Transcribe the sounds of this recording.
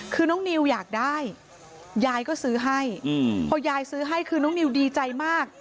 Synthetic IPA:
kʰɯː˧nɔː˦˥˩ŋni˧wjaː˨˩k̚da˥˩j | jaː˧jkɔː˥˩sɯː˦˥ɦa˥˩jpʰɔː˧jaː˧jsɯː˦˥ɦa˥˩jkʰɯː˧nɔ˥˩ŋni˧wdiː˧t͡ɕa˧jmaː˥˩k̚

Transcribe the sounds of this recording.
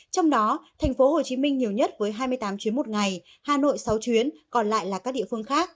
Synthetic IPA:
t͡ɕɔ˧wŋ͡mɗɔ˨˦t̪ʰɛ˨˩jŋ̟fo˨˦ho˨˩t͡ɕi˨˦mï˧ŋ̟ɲi˨˩əwɲə˦˥t̚vəː˨˦jɦaː˧jmɨ˧əjt̪aː˨˦mt͡ɕwi˨˦ənmo˨˩t̚ŋa˨˩j | haː˨˩no̰˧˨jsa˨˦wt͡ɕwi˨˦ənkɔ˨˩nla̰ː˧˨jlaː˨˩kaː˦˥k̚ɗḭ˧˨fɨ˧əŋxaː˦˥k̚

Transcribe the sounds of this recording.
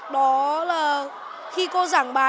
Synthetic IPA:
ɗɔ˨˦laː˨˩ | xi˧ko˧zaː˧˩ŋɓaː˨˦

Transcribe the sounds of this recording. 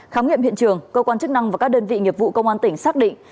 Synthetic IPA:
xaː˨˦wŋḭ˧əmhḭ˧˨ənt͡ɕɨ˨˩əŋkəː˧kwaː˧nt͡ɕɨ˦˥k̚na˧ŋvaː˨˩kaː˦˥k̚ɗəː˧nvḭ˧˨ŋi˨˩əp̚vṵ˧˨kə˧wŋ͡mʔaː˧nt̪ï˧˩ŋ̟saː˦˥k̚ɗḭ̈˧˨ŋ

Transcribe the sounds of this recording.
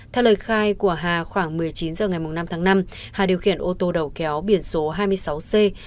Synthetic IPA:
t̪ʰɛ˧wləː˨˩jxaː˧jku˧˩əɦaː˨˩xwaː˧˩ŋmɨ˨˩əjt͡ɕi˨˦nzəː˨˩ŋa˨˩jmʊ˨˩ŋ͡mna˧mt̪ʰaː˨˦ŋna˧m | haː˨˩ɗi˨˩əwxḭ˧˩ənʔo˧t̪o˧ɗə˨˩wkɛ˨˦wɓi˧˩ənso˨˦ɦaː˧jmɨ˧əjsa˨˦wse˧

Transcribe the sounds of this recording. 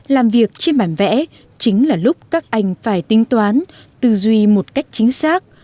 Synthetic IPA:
laː˨˩mvi˨˩ək̚t͡ɕe˧nɓaː˧˩nvɛ̰˧˥ | t͡ɕï˨˦ŋ̟laː˨˩lʊ˦˥k͡p̚kaː˦˥k̚ʔa˧˩jŋ̟faː˧˩jt̪ï˨˦ŋ̟t̪waː˨˦n | t̪ɨ˨˩zwi˧˩mo˨˩t̚ka˦˥jk̟̚t͡ɕï˨˦ŋ̟saː˦˥k̚

